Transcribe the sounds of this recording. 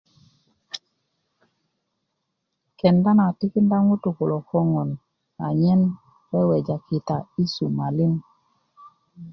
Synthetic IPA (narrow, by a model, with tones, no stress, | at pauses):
kɛ˨nda˦na˨ti˦ki˦nda˦ŋu˦tu˨ku˨lɔ˨kɔ˦ŋɔ˨n | a˨ɲɛ˦n | wɛ˦wɛ˨d͡ʒa˨ki˨ta˨i˦su˨ma˨li˦n